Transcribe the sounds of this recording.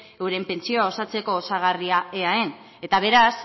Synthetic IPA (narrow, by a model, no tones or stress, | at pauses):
ewɾe̞mpe̞nt͡sio̞ao̞sat͡se̞ko̞ːsaɣ̞ariaeae̞n | e̞t̪aβ̞e̞ɾas